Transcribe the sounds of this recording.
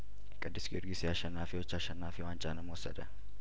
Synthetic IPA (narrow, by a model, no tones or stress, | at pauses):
kʼɐd̪ːɪsɡɪɾɡɪsɪaʃɐnːaːfɪjɔt͡ʃːaːʃɐnːaːfɪwaːnt͡ʃʼaːnɐmoɔsɐd̪ɐ